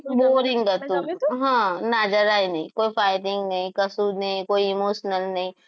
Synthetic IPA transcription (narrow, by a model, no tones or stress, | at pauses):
boːɾɪ̃ŋɡkɐt̪ũɦãːnaːd͡ʒəɾaːinɐɦĩkoːipaːɪʈɪ̃ŋɡnɐɦĩkɐsuːdnɐɦĩkoːiɪmoːʃnəlnɐɦĩ